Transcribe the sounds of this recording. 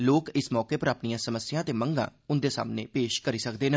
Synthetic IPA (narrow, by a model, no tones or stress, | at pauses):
loːkɪsmɔːkeːpəɾapnijãːsəməsɪjãːt̪eːməŋɡã̰ːʊnd̪eːsa̰ːmnḛːpeːʃkəɾiːsəkd̪eːne